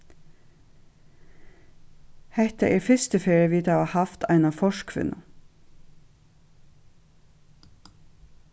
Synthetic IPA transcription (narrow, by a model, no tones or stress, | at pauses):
hɛht̪ɑʔeːɾfʏst̪əfeːɹəʋiːt̪ɑʋɑːhɑft̪ʰæ̰ɪnɑfɔʃkʰʋɪ̰nɑ̰